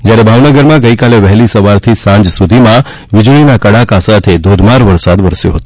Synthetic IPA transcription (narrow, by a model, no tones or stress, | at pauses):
d͡ʒjaɾebʱaʋnəɡəɾmãɡəikaleʋɛɦlisəʋaɾt̪ʰisãɲd͡ʒsud̪ʱimã | ʋɪd͡ʒɭinakəɽakasat̪ʰed̪ʱod̪ʱmaɾʋəɾsad̪ʋəɾsjo̰ɦət̪o